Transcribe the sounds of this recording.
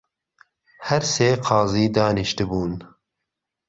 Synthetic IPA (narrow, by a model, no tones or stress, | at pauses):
hɛɾseːqʰɑːziːd̪ɑːniʃt̪ɨbuːn